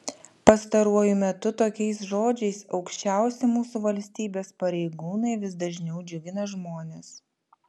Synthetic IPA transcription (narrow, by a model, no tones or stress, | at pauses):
pɐst̪ɐɾuɔjʊmʲɛt̪ʊt̪oːkʲɛɪsʒoːd͡ʒʲɛɪsɒʊkʃʲt͡ʃʲæˑʊsʲɛmuːsuʋɐlʲsʲt̪ʲiːbʲeːspɐɾʲɛɪɡuːnɐɪʋʲɪsd̪ɐʒʲnʲɛʊd͡ʒʲʊɡʲɪnɐʒmoːnʲeːs